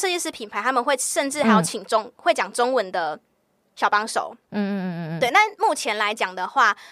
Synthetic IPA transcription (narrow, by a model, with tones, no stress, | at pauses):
ɤ˥˧t͡ɕjɛ˥˧ʂɻ̩˥˩pʰi˨˩npʰa˧˦ɪt̪ʰa˥mə˨nxwe˥˨ɪʂə˥˧nʈ͡ʂɻ̩˥˩ha˧˥ɪjo˨˩ʊt͡ɕʰi˨˩ŋʈ͡ʂo˥˦ŋxwe˥˩ɪt͡ɕjɑ˨˩ŋʈ͡ʂo˥ŋwə˧˦nd̪ə˨ | ɕjɑ˨˩ʊpɑ˥ŋʂo̰˨˩˦ʊ˥˩ | t̪we˥˩ɪna˥˨mu˥˩t͡ɕʰjɛ˧˦nla˧˦ɪt͡ɕjɑ˨˩ŋd̪ə˩xwa˥˩